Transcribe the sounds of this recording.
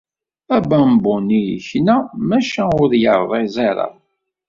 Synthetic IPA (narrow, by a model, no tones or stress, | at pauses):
æbæmbʊnijçnæmæʃæʊɾjəɾˤðˤezɑɾˤə̰ð